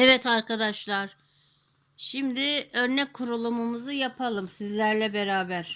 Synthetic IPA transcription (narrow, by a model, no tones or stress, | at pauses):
ɛvɛt̪ʰaɾkad̪aʃlˠaɾ̥ | ʃimd̪ɪø̞ɾnɛc̚kʰuɾulˠumumuzɯjapʰalˠɯmsizlʲæɾlʲɛbeɾaːbæɾ̥